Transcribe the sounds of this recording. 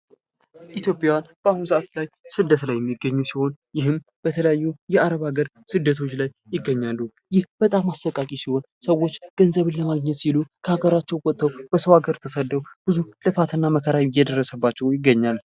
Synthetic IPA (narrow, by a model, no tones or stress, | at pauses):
ʔit̪jo̞pʼjajwanb̥əahunsaʔt̪lajsɨd̪ːət̪lajːɛmːiɡːəɲːusiho̞njɪɦɨm | b̥ət̪ʰələjajːujɛaɾəβaɡəɾ | sɨd̪ːət̪ʰo̞t͡ʃːlajːɪɡːəɲːalːu | jɪhb̥ət̪ʼamːasəkʼːakʼisiho̞n | səwːo̞t͡ʃːɡ̥ənzəβɨnləmaɡɲɛt̪silukʰəaɡəɾat͡ʃːɛwwʼɔt̪ʼːəwb̥əsəwaɡəɾt̪ʰəsəd̪ːəwb̥ɨzulɨfat̪ʰɨnːaməkʰəɾajjɛd̪ərːəsəbːat͡ʃːɛwjɪɡːəɲːal